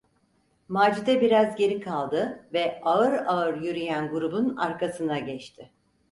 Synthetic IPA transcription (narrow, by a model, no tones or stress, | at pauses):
maːd͡ʒid̪ɛbiɾazɟe̞ɾikʰalˠd̪ɯvɛaɯɾaɯɾjyɾyjænɡuɾubuna̰ɾkasɯnaɟɛt͡ʃt̪ʰɪ